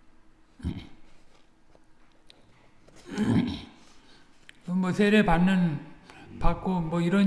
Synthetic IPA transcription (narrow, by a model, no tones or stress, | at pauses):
ʌmʌsʰeɾepanːɯn | pak͈omwʌiɾʌ